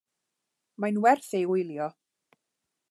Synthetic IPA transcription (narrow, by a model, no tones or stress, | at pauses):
majnwɛrθejʊjlˠjɔ